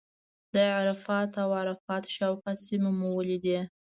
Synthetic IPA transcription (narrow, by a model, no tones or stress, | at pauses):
d̪əʕaɾafɑt̪awʕaɾafɑt̪ʃawxasimemuwəled̪i